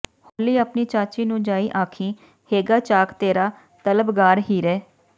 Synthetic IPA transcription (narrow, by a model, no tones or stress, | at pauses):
hoːliːəpniːt͡ʃaːt͡ʃiːnũːd͡ʒaːiːʔaːkʰĩː | heːɡaːt͡ʃaːkt̪eːɾaː | t̪ələbɡaːɾɦiːɾɛː